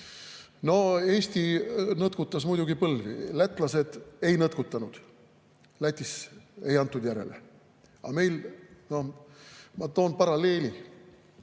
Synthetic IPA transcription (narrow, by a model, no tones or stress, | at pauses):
no̞e̞ːst̪inɤt̪̚kut̪ːˑɑsmujd̪uɡipɤlːvḭlæt̪ːˑlɑse̞d̪̥e̞jnɤt̪̚kut̪ːˑɑnud̪̥ | læt̪ʲːˑise̞jɑnt̪ˑːud̪jæɾe̞̰le̞̰ | ɑ̰me̞jlno̞ | mɑt̪o̞ːnpɑɾɑle̞ːlʲi